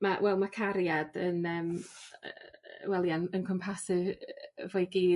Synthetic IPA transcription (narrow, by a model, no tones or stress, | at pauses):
mawɛlˠmakʰaɾjad̥ənəːm | wɛlˠjanənkʰɔmpʰasɨvvojɡiː